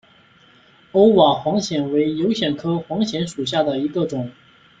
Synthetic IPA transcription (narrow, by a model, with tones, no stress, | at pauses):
o˥ʊwa˨˩xwɑ˧˥ŋɕjɛ˨˩nwe˧˥ɪjo˧˥ʊɕjɛ˨˩nkʰɤ˥xwɑ˧˥ŋɕjɛ˧˥nʂu˨˩ɕja˥˩d̪ə˩i˧˥ɡə˧ʈ͡ʂʊ˨˩˦ŋ